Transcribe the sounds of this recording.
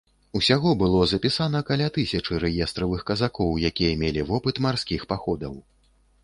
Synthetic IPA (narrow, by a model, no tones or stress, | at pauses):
usʲaɣɔbɨlˠɔzɐpʲisanɐkalʲat̪ɨsʲɐt͡ʂɨɾɛjɛst̪ɾɐvɨxkɐzakɔwjakʲijɐmʲelʲivɔpɨt̪marskʲixpaxɔd̪ɐw